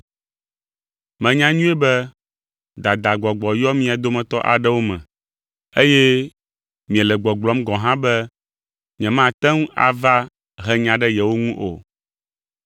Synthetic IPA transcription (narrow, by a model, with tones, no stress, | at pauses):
mɛ̃˨ɲã˦ɲũ˦ɛ˦bɛ˦ | d̪a˨d̪a˨ɡ͡bɔ˨ɡ͡bɔ˨jɔ˦mĩ˦a˨d̪o˦mɛ̃˨t̪ɔ˦ʔa̰˨ɖɛ˦wo˦mɛ̰̃˨ | e˦jɛ˦ | mĩ˨ɛ˨lɛ˨ɡ͡bɔ˨ɡ͡blɔ˦mɡɔ̃˨ɦã˦bɛ˦ | ɲĩ˨ɛ̃˨mã˦t̪ɛ˦ŋ˦a̰˨va˦ | ɦɛ˦ɲã˨ɖɛ˦jɛ˨wo˦ŋũ˦ʔo̰˨